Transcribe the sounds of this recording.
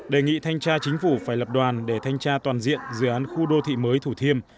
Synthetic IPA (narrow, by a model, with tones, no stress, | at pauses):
ɗe˨˩ŋḭ˧˨t̪ʰa˧jŋ̟t͡ɕaː˧t͡ɕï˨˦ŋ̟fu˧˩faː˧˩jlə˨˩p̚ɗwaː˨˩nɗe˧˩t̪ʰa˧jŋ̟t͡ɕaː˧t̪waː˨˩nzḭ˧˨ənzɨ̰˧˩ʔaː˨˦nxu˧ɗo˧t̪ʰḭ˧˨məː˨˦jt̪ʰu˧˩t̪ʰi˧əm